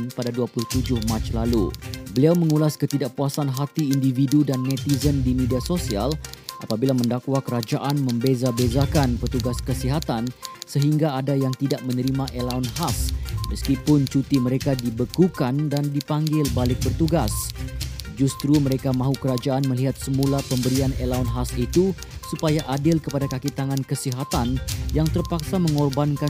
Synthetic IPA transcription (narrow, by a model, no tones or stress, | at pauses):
npadaduapulʊht̪ud͡ʒʊhmãt͡ʃlalṵbəliawmə̃ŋulaskət̪idaʔ̚puasanɦat̪iːndividudanːɛ̃t̪izəndimediasosia̰lʔa̰pabilamə̃ndakwakəɾad͡ʒaʔanmə̃mbezabezakanpərt̪uɡaskəsiɦat̪ansəɦiŋɡaːdajaŋt̪idaʔ̚mə̃nəɾimãʔelaunhasməskipʊnt͡ʃut̪iməɾekadibəkukandandipaŋɡɪlbalɪk̚bərt̪uɡas | d͡ʒust̪ɾuməɾekamãɦukəɾad͡ʒaʔanməliɦat̪̚səmulapəmbəɾianelaunɦasit̪u | supajaʔadɪlkəpadakakit̪aŋankəsiɦat̪anjaŋt̪ərpaksaməŋɔrbanka